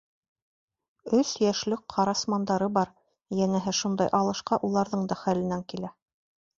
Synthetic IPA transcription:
ɵsjæʃlɘk̚qʰɑɾɑsmɑnd̪ɑɾɤbɑɾ | jænæɦɘʃund̪ɑjʔɑlˠɤ̆ʃqɑʔulˠɑɾðɤɴd̪ɑχælɘ̆næŋkilæ

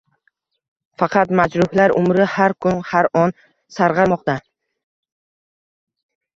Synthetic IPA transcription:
fɑqʰɑt̪mad͡ʒɾʊhlaɾʊ̰mɾɪhaɾkʰʊnhaɾɒn | saɾʁɑɾmɒq̚t̪a

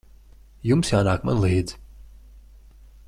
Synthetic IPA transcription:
jumsjaːnaːkma̰nlˠid̪

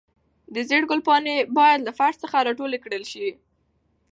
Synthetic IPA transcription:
d̪əzeɽɡʊlpɑnebɑjad̪lafaɾʈsəxaɾɑʈolekɽəlʃi

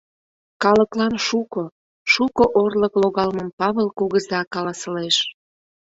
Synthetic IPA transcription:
kɑləklɑnʃuko | ʃukoʔorləkloɣɑlmə̆mpɑβəlˠkuɣəzɑkɑlɑsəleʃ

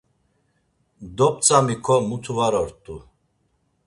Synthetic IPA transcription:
d̪ɔp̚ʼt͡sʼamikʰɔmut̪ʰuvaɾɔɾt̪ʼu

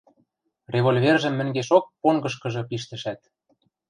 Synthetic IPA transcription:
rʲeβolʲvʲerʒə̆mːɘ̆ŋɡeʃok̚poŋɡɤ̆ʃ̬kɤ̆ʒɤ̆piʃt̪ɘ̆ʃæt̪

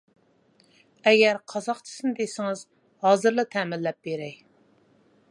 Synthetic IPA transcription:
ɛɡʲæɾqʰɑzɑqt͡ʃʰɪ̥sɨnɨd̪esɪŋɨz | hɑːzɨɾlˠɨt̪ʰɛmɪlːɛp̚beɾɛj

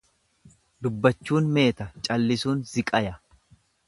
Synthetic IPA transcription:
d̪ʊbːɐt͡ʃːuːnme̞ːt̪ɐt͡ʃʼɐlːɪsuːnzɪkʼɐjɐ

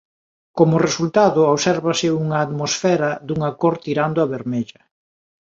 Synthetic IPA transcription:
komʊresult̪aðʊoβsɛɾβɐsɪuŋɐːt̪mosfɛɾɐðuŋakoɾt̪iɾand̪oaβeɾmeʎɐ

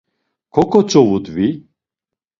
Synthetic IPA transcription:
kʰɔkʰɔt͡sʼɔvud̪vi

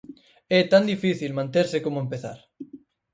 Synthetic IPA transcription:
ɛt̪and̪ifiθilmãnt̪eɾsɪkomʊempeθa̰ɾ

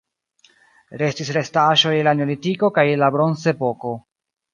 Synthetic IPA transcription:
ɾe̞stisɾe̞staʃo̞jelaneolitiko̞kajelabɾo̞nze̞po̞ko̞

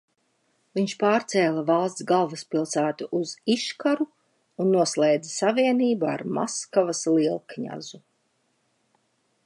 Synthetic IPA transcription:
viɲʃpaːɾt̪sɛːlˠavalˠst̪sɡalˠvaspilˠsæːt̪uʔuziʃkaɾu | unːuɔslɛjd̪zasaviɛniːbaa̰ɾma̰skavasliɛlˠkɲa̰zu

